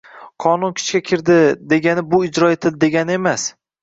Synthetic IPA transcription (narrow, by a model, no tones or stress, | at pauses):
qʰɒnʊnkʲʰɪ̥t͡ʃkʲakʲʰɪɾd̪ɪd̪e̞ɡʲanɪbʊɪd͡ʒɾɒet̪ʰɪld̪e̞ɡʲanɪe̞mas